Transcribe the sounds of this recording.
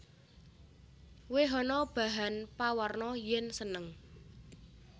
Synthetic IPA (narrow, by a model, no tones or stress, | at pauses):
weɦɔnɔb̥a̤ɦanpawarnɔjɛnsənəŋ